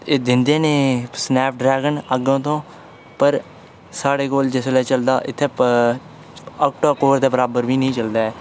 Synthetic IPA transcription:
eːd̪ɪnd̪eːneːsnɛːp̚ɖɾɛːɡənəɡõːt̪õː | pəɾ | saːɽeːkoːld͡ʒeslɛːt͡ʃəld̪a̰ːʔɪt̪ʰːeː | ɔːk̚ʈoːkoːɾd̪aːbəɾaːbəɾʋiːnĩːt͡ʃəld̪aːɛː

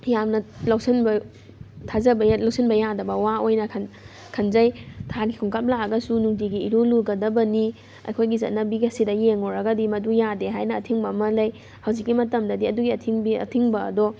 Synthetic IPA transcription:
jamnɐlawsɐnbɐ | tʰazɐbɐlɐwsʰinbɐjadɐbɐwaojnɐkʰn | kʰɐnzɐjtʰaɡikʰuŋkap̚laɐɡɐsunuŋdiɡiːɾoluɡɐdɐbɐni | ɐ̰jkʰojɡizɐ̰t̚nɐbiɡiɐsidɐjeŋoɾɐɡɐdimɐdujadeɦajnɐːtʰiŋbɐːmɐlɐj | hɐwzikːimɐtɐmdɐdiɐduɡiɐtʰiŋbiɐ̰tʰiŋbɐ̰ːdɔ

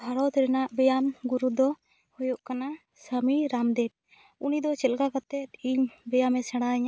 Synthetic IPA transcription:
aɽɔt̪ɛɾɛnaʔbɛjamɡuɾud̪ɔ | hɔjɔʔkana | səmiɾamd̪ɛt̚ | unid̪ɔt͡ʃɛlɡakat̪ɛt̪̚iɲbɛjamɛsɛɽ̃aɲa

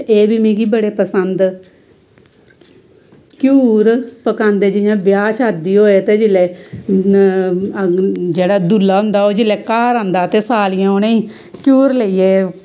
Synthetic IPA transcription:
eːbiːmẽːɡiːbəɽeːpəsənd̪ | kjuːɾpəkãːnd̪eːd͡ʒɪjãːbɪjaːʃəd̪iːɦoːeːt̪eːd͡ʒɪlɛː | d͡ʒeːɽaːd̪ulːaːɦʊ̃nd̪aːoːd͡ʒɪlɛːkaːɾãːnd̪aːt̪eːsaːlɪjãːoːnẽːĩː | kjuːɾleiːeː

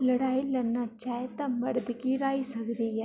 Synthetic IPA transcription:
lɐɽaːilɐnːat͡ʃaːɦet̪amɐɽd̪kiɾaːisɐkd̪eja

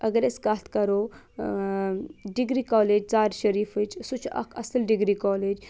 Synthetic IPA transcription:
ʔɐɡɐɾɐskaːt̪ʰkɐɾoː | ɖiɡɾiːkaːleːd͡ʒt͡saːɾʃɐɾiːfɨt͡ʃsut͡ʃʰɐ̰kʰɐ̰səlɖiɡɾikɔːleːd͡ʒ

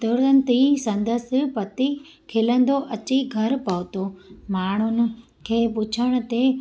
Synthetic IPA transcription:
t̪əɽən̆t̪isɐ̃nd̪əs̆pɐt̪i | kʰɪlə̃nd̪oʔɐt͡ɕiɡʱɐɾpɐʋt̪omaːɳ̤ʊnɪ̆ | kʰeːpʊt͡ɕʰəɽ̃ʊ̆t̪e

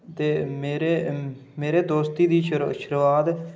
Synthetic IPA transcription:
t̪eːmeːɾeːmeːɾeːd̪oːst̪iːd̪iːʃəɾʃəɾʋaːd̪

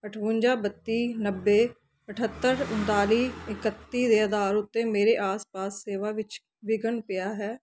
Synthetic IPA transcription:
əʈʰʋũːɲd͡ʒaːbət̪ːiːnəbːeː | əʈʰət̪ːəɾʊ̃nt̪aːliːɪkət̪ːiːd̪eːəd̪aːɾʊt̪ːeːmeːɾeːʔaːspaːsːeːʋaːʋɪt͡ʃ | ʋɪɡənpɪjaːɦɛː

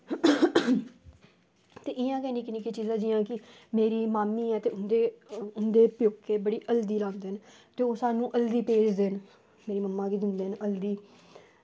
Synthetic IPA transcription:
t̪eːʔɪjãːkɛ̃ːniːkɪniːkiːt͡ʃiːzãːd͡ʒɪjãːkɪ | meːɾiːmaːmiːɛːt̪eːʊnd̪eːʊnd̪eːpjʊkːeːbəɽiːʔəld̪iːlãːnd̪eːn | t̪eːoːsaːnũːʔəld̪iːpeːd͡ʒd̪eːn | meːɾiːməmːãːkiːd͡ʒ̪ɪnd̪eːɦnəld̪iː

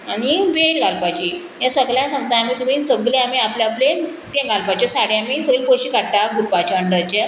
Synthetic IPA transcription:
añiʋeɽɡalpat͡ɕiː | jãsəɡljãsãŋɡ̚t̪aamiːt̪um̤iːsəɡlẽamiːapljaple | t̪ẽɡalpat͡ɕesaɽjaamiːsəɡlepoɕikaɽt̪aɡuɾpat͡ɕaəɳɖəɾt͡ɕe

